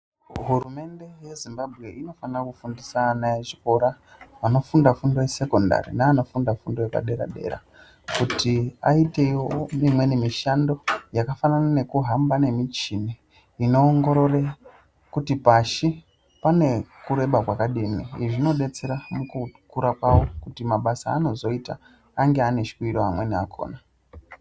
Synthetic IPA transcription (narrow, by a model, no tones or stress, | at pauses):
ɦurume̞nde̞je̞zimbabʱɣe̞ino̞fanrakufundisanaeʐiko̞ɾa | ʋano̞fundafundo̞wese̞ko̞nda̰ɾḭnaːno̞fundafundo̞wepa̰ɗe̞ɾa̰ɗe̞̰ɾa̰ | kutʰiaite̞jomimwe̞nemiʃando̞jakafananane̞kuɦambane̞mit͡ʃine | ino̞ːŋɡo̞ɾo̞re | kutipaʃi | pane̞kuɾe̞ɓakwakaɗiniiʐino̞ɗe̞t͡se̞ɾamukukuɾakwawokutimaɓasa̰ːno̞zo̞ita̰ː | ŋɡeane̞ʃi̥kwiɾoamwe̞nia̰kʰo̰ːna